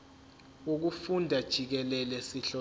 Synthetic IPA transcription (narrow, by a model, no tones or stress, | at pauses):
uk̬ufundʱad̥ʒ̥ʱik̬ɛlɛlɛsiɬɔ